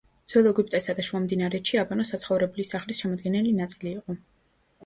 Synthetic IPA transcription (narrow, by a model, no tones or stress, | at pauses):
d̪z̥ɛlˠɔɡup̚ʼt̪ʼɛsad̪aʃuamd̪inaɾɛʃiabanɔsat̪sʰχɔvɾɛblisaχlisʃɛmɔd̪̚ɡɛnɛlinat̪sʼiliːqʼɔ